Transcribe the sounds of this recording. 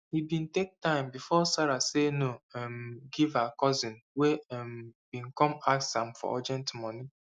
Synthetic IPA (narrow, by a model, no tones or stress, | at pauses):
hibĩn̩tek̚tãɪ̃mbifɔsaɾasenoɛmɡivakɔzɪ̃nweɛm̩bĩŋ̩kɔ̃maksãmfɔ̰ʔɔd͡ʒɛ̃ntmɔni